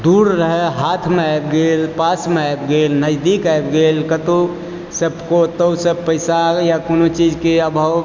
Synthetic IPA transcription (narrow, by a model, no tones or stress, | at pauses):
d̪uɾɾəɦɛɦat̪ʰmeajb̚ɡelpasmeajbɡelnəd͡ʒd̪ikajbɡelkət̪u | səbkot̪əwsəbpəɪsajakonot͡ʃid͡ʒkeəbʱəw